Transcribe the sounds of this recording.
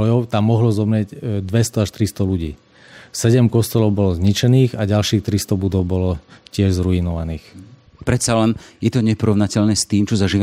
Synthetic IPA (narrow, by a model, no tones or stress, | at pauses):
ɔjɔʊt̪amːɔɦlɔzɔmɾɪɛɟd̪ʋɛst̪ɔaʃt̪ɾist̪ɔluɟḭː | sɛɟɛmkɔst̪ɛlɔʊbɔlɔzɲit͡ʃɛniːɣaɟalʃiːxt̪ɾist̪ɔbud̪ɔʊbɔlɔcɪɛʒzɾuinɔʋaniːx | pɾɛt̪t͡ssalɛnjɛt̪ɔɲɛpɔɾɔʋnacɛʎnɛːst̪iːmt͡ʃɔzaʒiːʋa